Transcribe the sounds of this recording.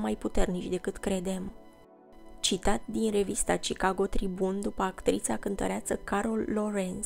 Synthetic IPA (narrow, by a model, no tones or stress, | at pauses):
majput̪e̞rnit͡ʃʲd̪e̞kɨt̪kɾe̞d̪e̞m | t͡ʃit̪at̪̚d̪inre̞vist̪at͡ʃikaɡo̞t̪ɾibund̪upəakt̪ɾit̪sakɨnt̪ə̰ɾeasəkaɾo̞lːo̞ɾens